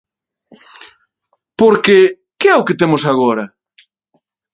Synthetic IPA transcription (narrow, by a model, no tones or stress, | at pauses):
poɾke | keɛʊket̪emʊsaɣoɾɐ